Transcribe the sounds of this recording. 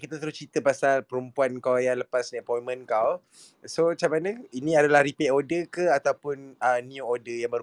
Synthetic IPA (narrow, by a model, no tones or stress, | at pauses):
kit̪at̪əɾʊst͡ʃit̪əpasalpəɾumpuankawjaŋləpasnaʔpɔimə̃nkaw | sot͡ʃamanə̃inĩadalahɾipɛʔodəkəat̪awpʊnəniuodəjaŋbər